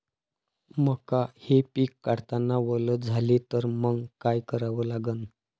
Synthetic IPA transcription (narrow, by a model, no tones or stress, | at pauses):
məkahepiːkːaɽt̪anːaʋələt̪̚d͡zʱalet̪əɾməɡɡkajkəɾaʋəːlaɡən